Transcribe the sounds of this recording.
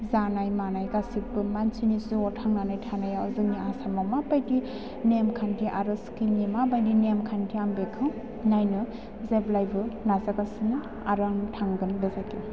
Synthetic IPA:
zanajmanajɡasipɯmansʰinisuɔtʰaŋnanajtʰanajazɯniasamamabajdi | nemkʰantiʔa̰ɾɯskilnimabajdinemkʰantʰiambekʰɯ | najnɯ | zeblajbɯnazakasinɯ | aɾaŋtʰaŋɡɯnbezake

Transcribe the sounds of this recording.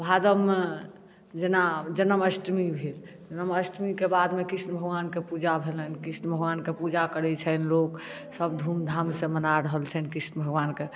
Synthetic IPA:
bʱad̪əm | d͡ʒenad͡ʒənəməsʈmibʱiɾd͡ʒənəməsʈmikebad̪mekɾisnəbʱəɡʋankepud͡ʒabʱelənkɾisnəbʱəɡʋankepud͡ʒakəɾɛt͡ʃʰənlok | səbd̪ʱumd̪ʱamsẽmənaɾəɦəlt͡ʃʰənkɾisnəbʱəɡʋanke

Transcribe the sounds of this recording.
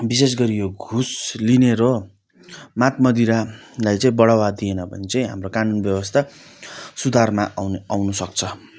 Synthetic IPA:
bis̬es̬ɡʌɾijoɡʱuslineɾo | mat̪mʌd̪iɾalajt͡saĩbʌɽawad̪ienʌbʱʌ̰nit͡saĩɦa̰mrokanunbjʌbʌst̪ʰa | sud̪ʱarmaawnusʌk̚t͡sʰʌ

